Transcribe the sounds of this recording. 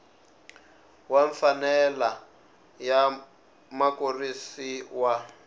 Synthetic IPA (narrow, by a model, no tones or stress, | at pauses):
waɱfanɛla | ja | makorisiwa